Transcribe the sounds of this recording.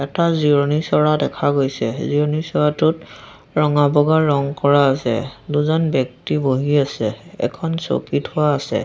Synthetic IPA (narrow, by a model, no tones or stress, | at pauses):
ɛtaziɔnisɔɹadɛkʰaɡojsɛziɔnisɔɹatʊt | ɹɔŋabɔɡaɹːɔŋkɔɹaːsɛ̰duzɔnbɔk̚tiboɦiasɛɛ̰kʰɔnso̰kitʊwaːsɛ̰